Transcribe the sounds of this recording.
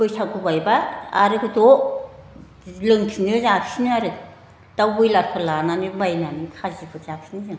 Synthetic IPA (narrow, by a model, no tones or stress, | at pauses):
kɯjsʰakɯbajbaa̰ɾɯkʰɯto | lɯŋpʰinɯzapʰsinɯaɾɯ | tawbɯjlaɾpʰɯlananɯbajnanikʰazipʰɯzapʰsinɯzɯŋ